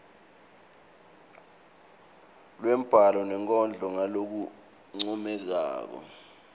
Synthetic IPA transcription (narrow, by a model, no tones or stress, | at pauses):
lwɛm̩b̥ʱalɔnɛŋkʼɔnd͡ɮʱɔŋalok̬u | ŋ͡ǀumɛk̬a̰ːk̬ɔ̰